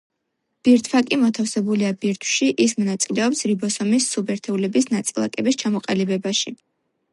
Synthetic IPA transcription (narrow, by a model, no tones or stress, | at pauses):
b̥iɾt̪ʰfakʼimɔt̪ʰafsɛbuliabiɾt̪ʰw̥ʃiʔismɔnat̪sʼilɛɔpsɾibɔsɔmisːubɛɾt̪ʰɛulɛbisnat̪sʼilˠa̰kʼɛbist͡ʃʰamɔqʼalibɛbaʃi